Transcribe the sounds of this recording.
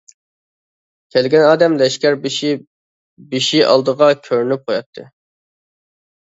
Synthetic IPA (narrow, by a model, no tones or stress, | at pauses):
kʲʰɛlɡʲɛnɑːd̪ɛmlɛʃkʲæɾbɪʃi | biʃiʔɑ̰lˠd̪əʁɑkʲʰøɾynyp̚qʰojɑt̪ʰːɨ